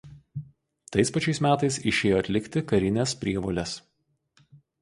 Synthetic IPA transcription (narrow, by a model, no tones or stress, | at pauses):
t̪ɐɪspɐt͡ʃʲɛɪsmʲæːt̪ɐɪsɪʃʲeːjoːɐt̪ʲlʲɪkʲt̪ʲɪkɐɾʲɪnʲɛspʲɾʲiɛʋolʲɛs